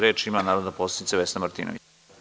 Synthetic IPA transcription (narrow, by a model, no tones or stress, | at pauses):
ɾeːt͡ʃimanaːɾod̪naposed̪it̪seʋesnamaɾt̪ḭnʔo̰i